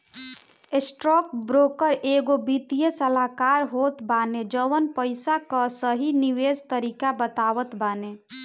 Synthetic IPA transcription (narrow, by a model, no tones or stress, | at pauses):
esʈɾɔkbɾokəɾʔeɡobit̪ijəsəlakaɾɦot̪baned͡ʒəʋənpəɪsakəsəɦiniwed͡ʒt̪əɾikabət̪aʋət̪bane